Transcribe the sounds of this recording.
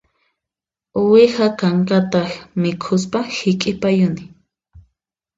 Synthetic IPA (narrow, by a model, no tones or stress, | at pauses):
ʊwɪhakaŋkat̪amɪkʰʊspahɪkʼɪpajʊnɪ